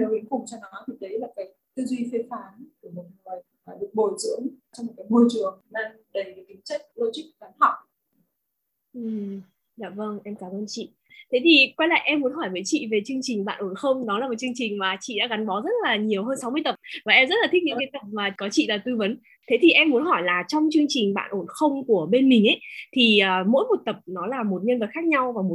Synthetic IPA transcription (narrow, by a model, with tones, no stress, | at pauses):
ə˨˦ʔḭ˧˦ŋfʊ˨˩ŋ͡mt͡ɕɔ˧nɔ˨˦t̪ʰi˨˩ɗə˨˦jlaː˨˩kaː˨˦jt̪ɨ˧zwi˧fe˧faː˨˦nku˧˩əme˨˩n̚ŋɨ˨˩əj | aː˨˩ɗɨ˨˩ək̚ɓo˧˩jzɨ̰˧˥əŋt͡ɕɔ˧ŋ͡mmo˨˩kaː˨˦jmo˧jt͡ɕɨ˨˩əŋnaː˧ŋɗə˨˩jkaː˨˦jkï˨˦ŋt͡ɕə˦˥jk̟̚lo˧t͡ɕi˦˥k̚va˨˦nha˨˩k͡p̚ | ʔɨ˨˩ | za̰ː˧˨˩və˧ŋʔɛ˧mkaː˨˦mʔəː˧nt͡ɕḭ˧˨ | t̪ʰe˨˦t̪ʰi˨˩kwa˧jla̰ː˧˨ʔɛ˧mːu˨˦ənɦɔ˧˩jvəː˨˦jt͡ɕḭ˧˨ve˨˩t͡ɕɨ˧əŋt͡ɕi˨˩ŋ̟ɓa̰ː˧˨nʔo˧˩nxə˧wŋ͡mɗɔ˨˦laː˨˩mo˨˩t͡ɕɨ˧əŋt͡ɕï˨˩ŋ̟maː˨˩t͡ɕḭ˧˨ɗa̰˧˥ɣa˨˦nɓɔ˨˦zə˦˥t̚laː˨˩ɲi˨˩əwɦəː˧nsa˨˦wmɨ˧ət̪ə˨˩p̚vaː˨˩ʔɛ˧mzə˦˥t̚laː˨˩i˦˥ɲɨ̰˧˥ŋka˨˦jt̪ə˨˩p̚maː˨˩kɔ˨˦t͡ɕḭ˧˨laː˨˩t̪ɨ˧və˨˦n | t̪ʰe˨˦t̪ʰi˨˩ʔɛ˧mːu˨˦ənɦɔ˧˩jlaː˨˩t͡ɕɔ˧wŋ͡mt͡ɕɨ˧əŋt͡ɕï˨˩ŋ̟ɓa̰ː˧˨nʔo˧˩nxə˧wŋ͡mku˧˩əɓe˧nmï˨˩ŋ̟ʔə˨˦jt̪ʰi˨˩əː˨˩mo̰˧˥jmo˨˩t̚t̪ə˨˩p̚nɔ˨˦laː˨˩mo˨˩t̚ɲə˧nvə˨˩t̚xaː˦˥k̚ɲa˧wvaː˨˩mo˨˩